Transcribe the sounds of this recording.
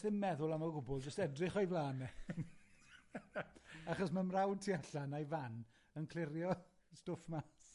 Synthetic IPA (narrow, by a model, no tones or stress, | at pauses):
θɪmmːɛðʊlˠamarɡʊbɔlˠd͡ʒəstɛdrɪχojvlaːnɛ | aχɔsmamrawd̚tʰiaɬanajvan | ənkʰl̥ˠɪɾjɔ | stʊfmas